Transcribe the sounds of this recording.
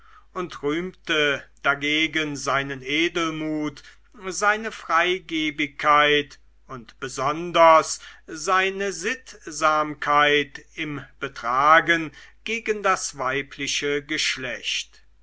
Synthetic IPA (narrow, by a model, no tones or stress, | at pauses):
ʔʊntʁyːmtəd̥aɡeːɡənzaɪnənʔeːdl̩muːt | zaɪnəfʁ̥aɪɡeːbɪkʰːaɪt | ʊntb̥əzɔndɐszaɪnəzɪtzaːmkʰaɪtɪmb̥ətʁ̥aːɡənɡ̥eːɡəndasvaɪpʰlɪʃəɡəʃlɛçt